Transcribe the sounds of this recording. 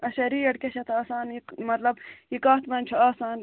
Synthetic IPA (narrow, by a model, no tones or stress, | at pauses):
ɐɕɐɾiːjɐɽkʲeɕɐt̪aːsaːnikmɐt̪lɐbikaːt̪mɐmʲt͡ʃʰuaːsaːn